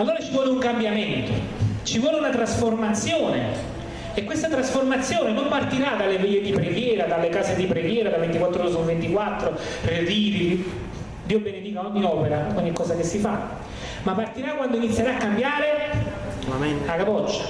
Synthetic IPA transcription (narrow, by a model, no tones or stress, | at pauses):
alːoːɾat͡ʃivwɔːleuŋkambjament̪o | t͡ʃivwɔːleunat̪ɾasformat̪sːjoːne | ekːwest̪at̪ɾasformat̪sːjoːnenompart̪iɾad̪alːevejːed̪ipɾeɡjɛːɾad̪alːekaːzed̪ipɾeɡjɛːɾad̪avent̪ikwat̪ːɾoɾesonvent̪ikwat̪ːɾo | reviːɾi | d̪iːobened̪iːkaɔɲːiɔːpeɾakoɲːikːɔːzakesːifa | mapːart̪iɾakːwand̪oinit̪sːjeɾaːakːambjaːɾe | akapɔt͡ʃːḁ